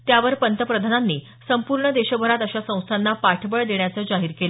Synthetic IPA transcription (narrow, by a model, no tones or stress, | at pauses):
t̪jaʋəɾpənt̪əpɾəd̪ʱananːiː | səmpuɾɳəd̪eɕəbʱəɾat̪əɕasə̃w̃st̪ʰanːapaʈʰbəɭd̪eɳjat͡səːd͡ʑaɦiːɾkelə